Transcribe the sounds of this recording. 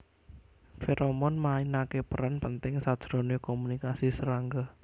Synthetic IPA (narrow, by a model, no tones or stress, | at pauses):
feɾʔɔmɔnmainakepəɾanpənt̪ɪŋsad̥ʒ̥ɾɔ̤nekɔmunikasisəɾaŋɡɔ